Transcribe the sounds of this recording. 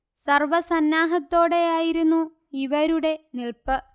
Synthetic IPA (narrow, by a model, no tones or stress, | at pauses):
sɐrʋɐsɐnːaːɦɐt̪ːo̞ːɽe̞aːjiɾunːu | iʋɐɾuɽe̞niɭpɨ